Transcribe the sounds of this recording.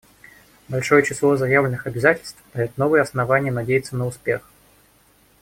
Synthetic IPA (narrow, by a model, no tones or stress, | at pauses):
balʲʂɔjɛt͡ɕɪslˠɔzajavlʲɪnɨxɐbʲɪzatʲɪlʲst̪vfd̪ɐjʲɛt̪nɔvɨjɛɐsnavanʲɪjənadʲejɨt̪sːənəʊspʲex